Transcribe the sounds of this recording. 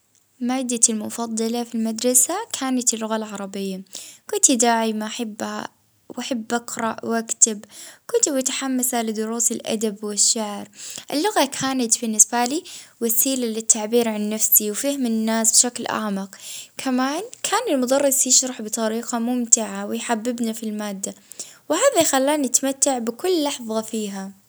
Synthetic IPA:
maːd̪ːalmʊfɑd̪ˤːɑlafilmad̪ɾˤɑsakʰaːnat̪ɪlːʊɣalʕɑɾˤɑbɪjːakʊnt̪id̪aːʕimaʔaħabːha̰ | wʔaħabːʔɑqɾˤɑʔwʔakt̪ɪbkʊnt̪ibɪt̪ḁħamːasalɪd̪ʊɾuːsɪlʔa̰d̪abwɪʃːaʕɾʔɪlːʊɣakʰaːnat̪bɪnːɪsbaliːwasiːlalɪt̪ʰːaʕbiːɾʕanːafsiwfɪhmɪnːaːsbʃaklʔa̰ʕmɑqkʰamaːnkʰaːnɪlmʊd̪ɑrːɪsjɪʃɾɑħbɨt̪ˤɑɾiːqamʊmt̪ɪʕawɪjħabːɪbnafilmaːd̪ːawɪhaːðajxalːaːniʔat̪amat̪ːaʕbɪkʊlːɑħðˤɑfiːɦa

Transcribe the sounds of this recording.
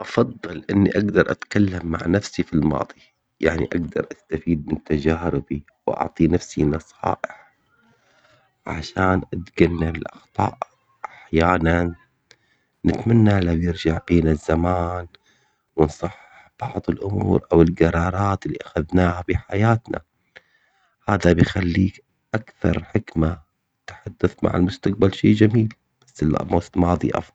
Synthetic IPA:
ʔɑfɑðˤːɨlʔɪnːiʔaɡd̪ɑɾˤʔa̰t̪kalːamːa̰ʕnafsifilmɑ̰ːðˤi | jaʕnḭʔaɡd̪ɑ̰ɾˤʔast̪afiːd̪̚mɪnt̪ːad͡ʒaːɾɪbi | wʔɑ̰ʕt̪ˤinafsinɑsˤɑ̰ːʔɪħ | ʕa̰ʃaːnʔat̪ɡanːabɪlʔɑ̰xt̪ˤɑ̰ːʔ | ʔaħjaːnan | nɪt̪manːalawjɪɾd͡ʒaʕbiːnazːamaːn | wɪnsˤɑħːɪħb̥ɑʕðˤɨlʔʊmṵːɾʔawɪlɡɑɾˤɑːɾˤɑːt̪ɪlːiʔaxaðnaːhafiħajaːt̪na̰ | haːðabɪjxalːiːk | ʔakθɑ̰ɾˤħɪkma | t̪ħad̪ːaθma̰ʕa̰lmʊst̪aq̚balʃḭːd͡ʒamiːl | b̥asːɪl̰moːslmɑːðˤḭʔɑ̰fˤɑl

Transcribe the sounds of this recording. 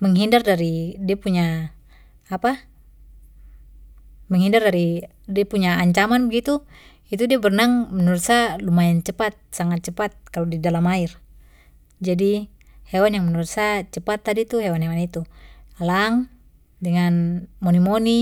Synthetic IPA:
məŋɦindardaɾidiapuɲaː | pa | məŋɦindardaɾi | diapuɲaːɲt͡ʃamanbəɡit̪u | it̪udiabərnaŋmənuɾut̪salumaɛnt͡ʃəpat̪̚saŋat̪̚t͡ʃəpat̪̚kalodidalamair | d͡ʒadi | hewanjaŋmənuɾusat͡ʃəpat̪ːadit̪uɦewanɦewanit̪ualaŋ | dəŋanmonimoni

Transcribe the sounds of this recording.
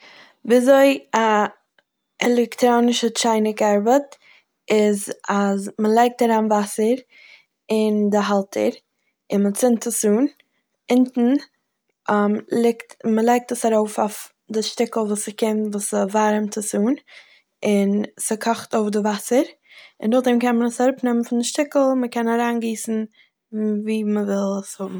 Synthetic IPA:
viːzoɪa | ɛlˠɛktɾoːnɪʃət͡ʃaɪnɪkaɾbət | ɪzazməlˠeɪk̚taɾaːnvasəɾ | ɪndɪɦalˠtʰə̰ɾ | ɪnmət͡sɪntʰəsuːn | ɪntn̩ | lˠɪktməlˠeɪk̚təsaɾoʊfaf | dɪʃtɪkl̩ˠvuːsəkɪmtvuːsəvaɾmtʰəsuːn | ɪnsɪkʰɔχtoʊfdɪvasəɾ | ɪndʊχdɛmkɛnmənəsaɾʊpnɛmənfɪndɪʃtɪkl̩ˠməkɛnaɾaːnɡiːsn̩ | viːməvɪlˠəshʊbm̩

